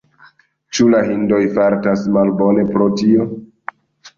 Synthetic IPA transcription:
t͡ʃulaɦindo̞jfaɾtasmalbo̞ne̞pɾotio

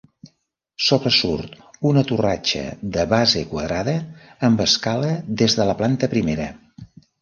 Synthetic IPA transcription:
soβɾəsuɾt̪ | unət̪urat͡ʃə̰ðəβazekwəðɾaðəːmbəskaləðezðələplant̪əpɾimeɾə

